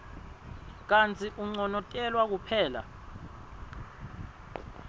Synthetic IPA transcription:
k̬ant͡sʰʼiʔuŋ͡ǀɔnɔkʼɛlwak̬upʰɛːla̰

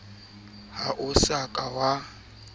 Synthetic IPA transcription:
haʔʊsakʼawa

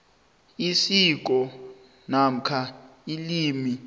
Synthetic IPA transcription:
isik̬ʼɔ | nam̩kʰailiːmi

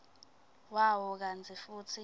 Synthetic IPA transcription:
wawɔk̬ant͡sʰifuːt͡sʰi

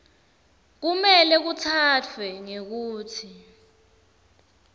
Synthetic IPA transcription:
k̬umɛlɛk̬utʰat͡fʰwɛŋek̬uːtʰi

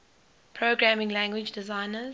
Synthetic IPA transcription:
pʰɹ̥oʊɡɹæmɪ̃ŋlæ̃ŋɡwɪd͡ʒdɪzãɪ̃nəz

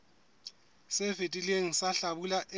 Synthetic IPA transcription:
sɪfetʼileŋ̩saɬabulaʔɪ

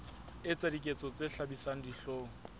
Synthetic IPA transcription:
ɪt͡sadikʼet͡sʼɔt͡seɬabisaŋ̩diɬoːŋ̩

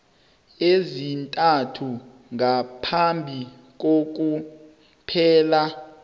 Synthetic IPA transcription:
ezintʼatʰu | ŋapʰambʱi | k̬ok̬u | pʰɛːla

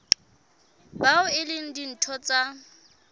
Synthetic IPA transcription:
baʊɪlɪŋ̩din̩tʰɔt͡sʼa

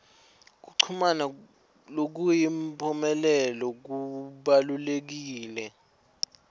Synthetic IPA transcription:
k̬uǀʰumana | lok̬ujimpʰʼɔmɛlɛlɔk̬uɓalulek̬iːlɛ

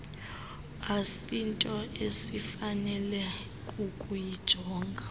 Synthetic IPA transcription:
asintʼɔesifanɛlɛ | kʼukʼujid̥ʒ̥ʱɔːŋɡʱa

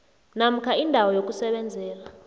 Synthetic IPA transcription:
nam̩kʰaindʱawɔjok̬ʼusɛɓɛnd͡zʱɛːla

